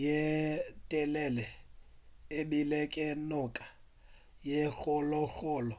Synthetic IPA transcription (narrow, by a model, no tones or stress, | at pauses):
jetʼɛlɛlɛ | eɓilɛkʼɛnʊkʼḁ | jexʊlɔxɔːlɔ